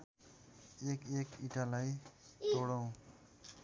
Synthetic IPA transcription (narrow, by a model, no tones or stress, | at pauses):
ekekiʈalajt̪oɽʌw̃